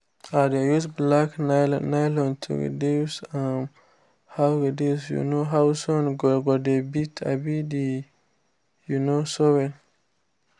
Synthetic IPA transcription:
adejusblakna̰najlɔ̃ntʰṵɡḛdesam | hawɡedewsjṵnoɦawsɔnɡɔɡɔdebitʰa̰bidi | junosɔwɛl

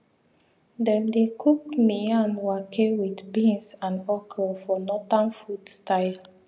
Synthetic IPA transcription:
dɛ̃ndekʰuk̚miãnwakʰewidbĩnsãnɔkʰɛlfɔnɔtãnfutstaɪl

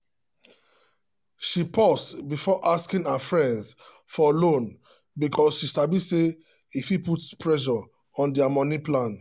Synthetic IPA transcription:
ʃipʰɔstbifɔʔaskĩŋafɹɛ̃nds | fɔlõn | bikʰɔsʃisabise | ifiputspɹɛʃ̬ɔ | ɔ̃ndɛamɔnĩplãn

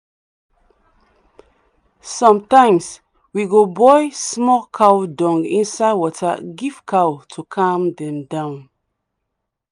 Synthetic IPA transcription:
sɔ̃mtãɪ̃ms | wiɡobɔjsmɔkʰawdɔ̃ŋɡḭ̃nsaɪwɔtʰə̰ɡiv̥kʰawtʰukʰãmdɛ̃mdãʊ̃n

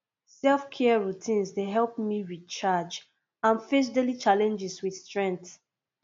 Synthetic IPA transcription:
sɛlfkʰɛɹutʰĩnsdeɦɛlpmiɹit͡ʃad͡ʒ | ãnfes̬delit͡ʃalɛ̃nd͡ʒiswiθstɹɛ̃nt

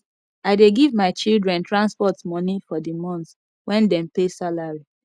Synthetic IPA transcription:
aɪdeɡivmaɪt͡ʃildɹɛ̃ntɹãnspɔtmɔnifɔdimɔ̃n | wɛ̃ndɛ̃mpesalaɹi

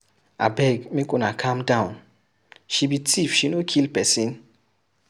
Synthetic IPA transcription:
a̰bɛɡmĩkonakʰãmdãw̃n | ʃibitʰifʃinokʰilpɛsĩn

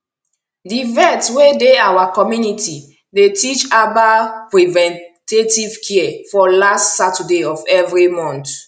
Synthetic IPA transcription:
divɛtwedeawakɔmjunitʰi | detit͡ʃabapɹivɛ̃ntetivkʰiɛfɔlastsatɛdeɔfɛvɹimɔ̃nt

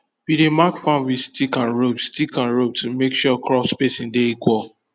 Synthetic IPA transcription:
b̥iɾemakfãwistikãnɹobstikãnɹob̚tumekʃɔkɹɔspesĩndeikwɔl

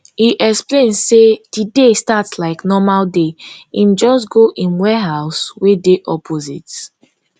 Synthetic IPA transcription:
hiʔɛksplẽnsed̥idestatslaɪknɔmaldeĩnd͡ʒɔstɡoʔĩnwɛɦaʊswedeʔɔpʰozit

